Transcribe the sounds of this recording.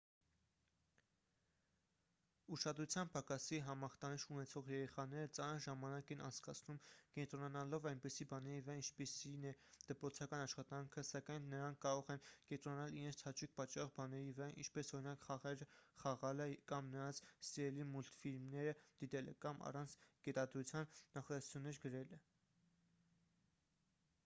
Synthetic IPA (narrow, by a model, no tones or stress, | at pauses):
uʃɑd̪ɾut͡sʰjɑnpʰɑkɑsiɦɑmɑχt̪ɑniʃunɛt͡sʰɔʁjɛɾɛχɑnɛɾət͡sɑnəɾʒɑmɑnɑkɛnʔɑ̰nt͡sʰkɑt͡sʰnumkɛnt̪ɾɔnɑnɑlɔvɑjnpɛsibɑnɛɾivəɾɑint͡ʃʰpisinɛd̪̥əpɾɔt͡sʰɑkɑnɑʃχɑt̪ɑŋkʰəsɑkɑjnːəɾɑŋkʰkːɑɾɔʁɛnkɛnt̪ɾɔnɑnɑliɾɛnt͡sʰɑt͡ʃʰik̚ʰpɑt͡ʃːɑʁbɑnɛɾivəɾɑʔḭnt͡ʃʰpɛsɔɾinɑkχɑʁɛɾəχɑʁɑləkɑmnəɾɑnt͡sʰsiɛlimult̪filmnɛɾəd̪̥it̪ɛlɛ̰kɑmɑ̰rɑnt͡sʰɡ̥ɛt̪ɑd̪ɾut͡sʰjɑnːɑχɑɾɛsʰu̥t͡sʰunːɛɾɡəɾɛlɛ